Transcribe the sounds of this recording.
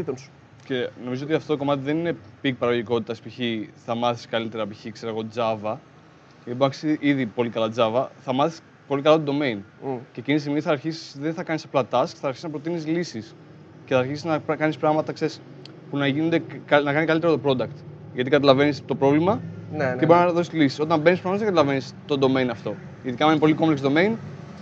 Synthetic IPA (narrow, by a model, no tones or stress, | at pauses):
it̪onsu̥ | ce̞no̞mizo̞ot̪iɐft̪o̞t̪o̞ko̞mɐt̪iðe̞nine̞pik̚pɐɾɐoʝiko̞t̪it̪ɐspiçiθɐmɐθi̥skɐlit̪e̞ɾɐpiçikseɾɐɣo̞d͡zɐvɐ | ibɐksiʔiðipo̞likɐlɐd͡zɐvɐθɐmɐθis | po̞likɐlɐt̪od̪ome̞jnceecinis̬iɣmiθɐːɾçisi̥sðenθɐkɐnisɐplɐt̪ɐskθɐːɾçiznɐpɾo̞t̪inizlisis | ceθɐːɾçisiznɐpkɐnispɾɐɣmɐt̪ɐkse̞ɾis | punɐʝinond̪enɐkɐnikɐlit̪eɾot̪opɾo̞d̪ɐkt̪ʝɐt̪ikɐt̪ɐlɐve̞nist̪o̞pɾo̞vlimɐneboɾiznɐðo̞silisi̥so̞t̪ɐmbe̞nis̬pɾɐmt̪ððθɐkɐt̪ɐlɐve̞nist̪o̞d̪o̞me̞inɐft̪o̞ | iðikɐminepo̞likompleksd̪o̞me̞in